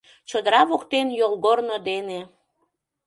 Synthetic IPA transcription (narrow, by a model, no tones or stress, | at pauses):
t͡ɕod̪əɾɑβokt̪enjolˠɣornod̪ene